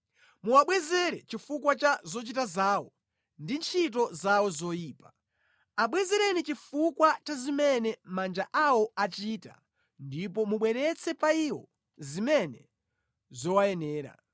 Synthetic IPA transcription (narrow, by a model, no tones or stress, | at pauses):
muwaɓwɛzɛɾɛt͡ʃifukwat͡ʃazɔt͡ʃitazaːwɔ | ndint͡ʃʰit̬ɔzawɔzɔjiːpa | aɓwɛzɛɾɛnit͡ʃifukwat͡ʃazimɛnɛmand͡ʒaʔawɔat͡ʃiːta̰ | ndipɔmuɓwɛɾɛt͡sʰɛpaiwɔ | zimɛnɛ | zɔwajɛnɛːɾa̰